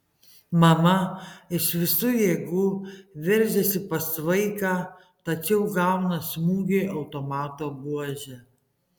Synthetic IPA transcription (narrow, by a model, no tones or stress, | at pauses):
mɐmɐɪʃʋʲɪsuːjɛɡʊʋʲɛɾʲʒʲɛsʲɪpɐsʋɐɪkɑː | t̪ɐt͡ʃʲɛʊɡɑˑʊnɐsmuːɡʲeːʔɐʊt̪omɑːt̪oːbuɔʒʲɛ